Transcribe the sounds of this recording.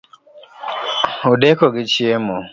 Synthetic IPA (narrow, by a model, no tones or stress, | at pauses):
udekoɡɪt͡ʃiemɔ